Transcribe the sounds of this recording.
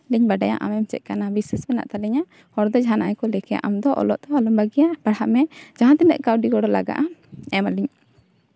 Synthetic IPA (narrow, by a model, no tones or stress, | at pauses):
liɲbaɖaja̰ʔa̰mɛmt͡ʃɛ̰t̪̚kanabiswasbɛna̰ʔt̪alɛɲa | hɔɾd̪ɔd͡ʒaanaʔajkɔlɛkɛja̰ʔamd̪ɔʔɔ̰lɔ̰ʔt̪ɔalumbaɡijabaɽhaʔmɛd͡ʒãɦãt̪ɛmɛ̰ʔkawɖiɡɔɽɔlaɡa̰ʔaɛmaliɲ